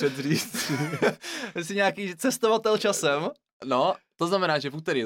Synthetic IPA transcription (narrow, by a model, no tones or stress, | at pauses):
ɛdriːt͡si | ɛsɪɲaːkiːt͡sɛst̪ovat̪ɛlt͡ʃasɛm | not̪oznamɛnaːʒɛvut̪ɛɾiː